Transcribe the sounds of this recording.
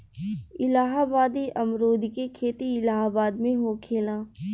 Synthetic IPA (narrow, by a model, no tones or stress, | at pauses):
ɪlaːɦabaːd̪iʔɐmɾoːd̪ʱikekʰeːt̪iɪlaːɦabaːd̪mẽɦokʰeːlãː